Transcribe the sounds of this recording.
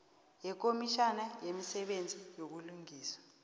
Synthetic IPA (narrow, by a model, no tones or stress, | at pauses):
jɛk̬omiʃanajemisɛɓend͡zʱijok̬uluŋiːswḁ